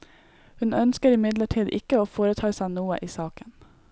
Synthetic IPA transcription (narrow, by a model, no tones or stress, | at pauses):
hʉnœnskəɾɪmɪd̪ləʈʰiːd̪ɪ̰kəoːfoːɾət̪ʰɑːsæɪnuːə̰ʔiːsɑːkən